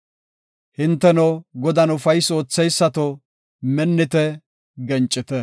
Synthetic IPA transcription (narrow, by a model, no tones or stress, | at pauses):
hɪnt̪ːɛnɔɡɔd̪ɐnʊfɐjso̞ːt͡sːɛjsːɐt̪ɔ | mɛnːɪt̪ɛ | ɡɛnt͡ʃʼːɪt̪ɛ